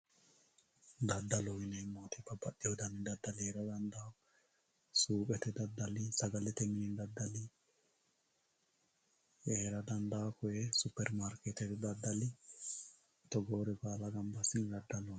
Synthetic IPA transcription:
d̪ɐd̪ːɐlɔwɪnɛɪmːoːt̪ɛbɐbːɐɗɪhɔd̪ɐnɪd̪ɐd̪ːɐlɪeːɾɐd̪ɐnd̪aːkɔ | suːpʼɛt̪ɛd̪ɐd̪ːɐlɪsɐɡɐlɛt̪ɛmɪnind̪ɐd̪ːɐlɪ | eːɾɐd̪ɐnd̪aːkɔjɛsʊpːɛɾmaɾkɛt̪ɛt̪d̪ɐd̪ːɐlɪ | t̪ɔɡoːɾɛbaːlɐɡɐmbɐsɪnd̪ɐd̪ːɐlɔ

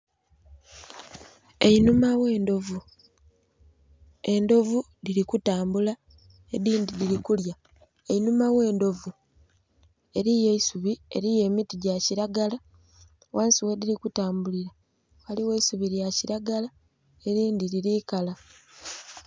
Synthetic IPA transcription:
einumawe̞ːndo̞vu | e̞ndo̞vu | liɾikutaːmbula | eðiːndiðiɾikulja | ejinumawe̞ːndo̞vu | e̞ɾije̞isuβie̞̰ɾije̞ːmitiɟaciɾaɡala | waːnsiwedilikutaːmbuliɾa | waliwe̞isuβiɾjaciɾaɡala | e̞ɾiːndiɾiɾikala

